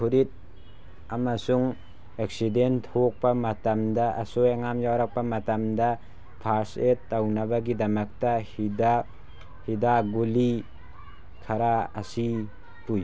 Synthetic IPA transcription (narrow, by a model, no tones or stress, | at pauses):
kʰuɾit̚ | amasuŋ | ek̚sidenthok̚pamatamdaːsojaŋamjawɾak̚pamatamda | pʰaɾsetːawnabaɡidɐmak̚tahida | hidaɡuli | kʰaɾaasi | puj